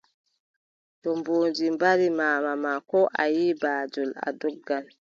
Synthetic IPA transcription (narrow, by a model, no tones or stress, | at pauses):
tɔmboːnd͡ʒimbaɾimaːmamakɔʔajiːbaːd͡ʒɔla̰dɔɡːan